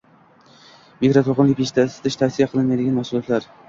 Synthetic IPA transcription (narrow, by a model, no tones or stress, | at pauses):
mikɾot̪ʰoqɨnlɪk̚ʲeʃt̪ʰasɪ̥t̪ʰɪʃt̪ʰafsijaqʰɨlˠɪnmajd̪ɪɡʲanmahsʊlˠɒt̪ʰlaɾ